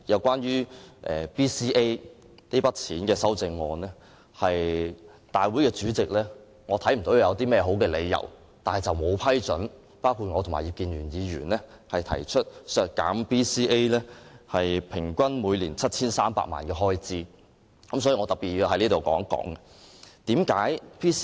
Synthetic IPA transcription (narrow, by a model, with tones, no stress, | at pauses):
jɐ˨˧wkʷaː˥nɥyː˥ʔɛ̰ː˨˩piː˥siː˥ʔe˥j | ne˥pɐ˥t̚t͡sʰiː˨˥nkɛː˧sɐ˥wt͡sɪ˧ŋːɔː˨˧nlɛː˥ | hɐ˨j | t̪aː˨jwuː˨˥jkɛː˧t͡syː˨˥t͡sɪ˨k̚lɛː˥ | ŋɔː˨˧t̪ʰɐ˨˥jm̩˨˩t̪o˨˥wjɐ˨˧wt̪iː˥mɛː˥ɦo˨˥wkɛː˧le˨˧jːɐ̰˨˩w | t̪aː˨nhɐ˨jt͡sɐ˨wmo˨˧wpʰɐ˥jt͡sɵ˨˥n | paː˥wkʰuː˧t̚ŋɔː˨˧˨ma̰ː˨˩ji˨˧p̚kiː˨˧nɥyː˨˩njiː˨˧ɥyː˨˩nlɛː˥ | hɐ˨jt̪ʰɐ˨˩jt͡ʃʰɵ˥t̚sœː˨˧kkːa̰ː˨˥mpʰiː˥siː˥ʔe˥jlɛː˥hɐ˨jpʰɪ˨˩ŋkʷɐ˥nmuː˨˧jlḭː˨˩nt͡sʰɐ˥t̚t͡sʰiː˥nsaː˥mpa̰ː˧k̚ma̰ː˨nkɛː˧ɦɔː˥jt͡siː˥ | kɐ˨˥msɔ˨˥ji˨ŋɔː˨˧t̪ɐ˨˩piː˨t̚ji˧ɦɐ˨˥jniː˥t̪o˨wkɔ̰ː˨˥ŋkɔ̰ː˨˥ŋɛ˧ | t̪iː˨˥mkaː˨˥jpʰiː˥